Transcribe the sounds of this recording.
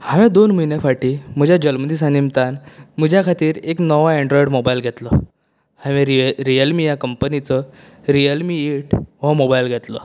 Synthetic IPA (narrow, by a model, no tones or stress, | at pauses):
haʋɛ̃d̪onm̤əjnefaʈiːm̤əd͡ʑʱjad͡ʑəlməd̪is̬ãnimt̪anm̤əd͡ʑʱjakʰat̪iːɾeknɔʋaɛ̃ɳɖɾɔiɽmobajlɡʱɛt̪lɔ | hãʋeɾiɾijəlmijakəmpənit͡sɔ | ɾijəlmiiʈʋamobajlɡʱɛt̪lɔ̰